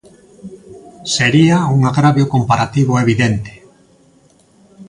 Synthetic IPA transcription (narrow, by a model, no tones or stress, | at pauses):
seɾiauŋaɣɾaβjokompaɾat̪iβʊeβiðent̪e̥